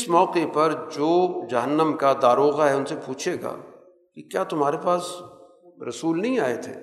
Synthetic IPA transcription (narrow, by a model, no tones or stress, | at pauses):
ɪsmɔːqepɐɾd͡ʒoːd͡ʒɐɦənːəmkad̪aːɾoːɣaɦɛʊnsepuːt͡ʃʰeːɡa̰ː | kikjaːt̪ʊmɦaːɾepaːs | ɾɐsuːlnɐɦĩaːet̪ʰḛː